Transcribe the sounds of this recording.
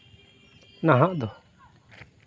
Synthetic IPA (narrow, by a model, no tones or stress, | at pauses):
naɦãʔd̪ɔ